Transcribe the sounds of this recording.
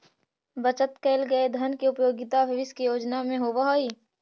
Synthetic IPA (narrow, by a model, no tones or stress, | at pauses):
bət͡ʃət̪keːlɡəed̪ʱənkiʊpjoːɡɪt̪abʱɪʋɪskijoːd͡ʒnamẽɦoːʋaɦoːiː